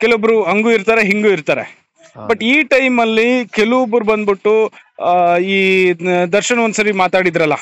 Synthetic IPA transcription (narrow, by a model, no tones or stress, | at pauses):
kɛlʋobɐɾuɐŋɡuːiɾt̪aːɾeɦiŋɡuiɾt̪aːɾe̞̰ | bɐʈːiːʈɐjmɐlːikeluʋobɐɾubɐnd̪̚biʈːu | iːd̪ɐɾʃɐnɐond̪sɐɾimaːt̪aːɽid̪ɐɾɐlːɐ̰